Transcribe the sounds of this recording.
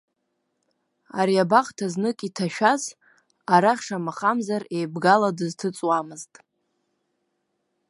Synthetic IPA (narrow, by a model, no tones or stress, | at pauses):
a̰ɾiabaχtʰaznɨkʼitʰaʃᶣaz | aɾaχʲʂamaχamzare̞jbɡaladɨztʰɨt͡sʼwamɨztʼ